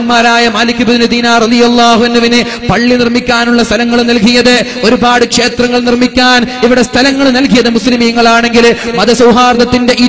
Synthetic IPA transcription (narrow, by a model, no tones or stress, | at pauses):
nmaːɾaːjɐmaːlikːɨbud̪nud̪iːnaːrɐðijɐlˠːaːɦuɐnːɐʋinɨ | pɐɭːinirmikʲːaːnuɭːɐst̪ʰɐlɐŋːɐɭnɐlkijɐðɨ | o̞ɾubaːɽɨkʂe̞ːt̪rɐŋːɐɭnirmikʲːaːniʋiɽe̞st̪ʰɐlɐŋːɐɭnɐlkijɐðɨmuslimijɐŋːɐɭaːɳe̞ŋɡilmɐðɐsɐwɦaːrd̪ɐt̪ːinde̞ʔi